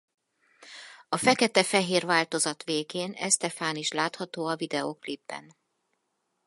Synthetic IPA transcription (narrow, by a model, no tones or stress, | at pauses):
ɒfɛkɛt̪ɛfɛɦeːrvaːlt̪o̞zɒt̪ʋeːɡeːnɛ̰st̪ɛfaːniʃlaːt̪hɒt̪oːɒvid̪ɛoklibːɛ̰n